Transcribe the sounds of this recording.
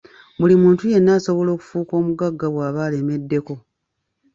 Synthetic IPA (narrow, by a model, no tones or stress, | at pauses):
mulimuːntuje̞nːaːso̞βo̞lo̞ːku̥fuːko̞ːmuɡaɡːaβwaːβaːle̞me̞dːe̞ko̞